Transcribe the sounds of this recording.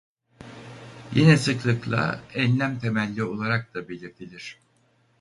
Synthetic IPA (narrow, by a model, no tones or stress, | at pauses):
jenɛsɯklˠɯklˠa̰ɛnlʲæmt̪ʰe̞mælʲːio̞lˠaɾak̚d̪abe̞lʲiɾt̪ʰilʲiɾ̝̥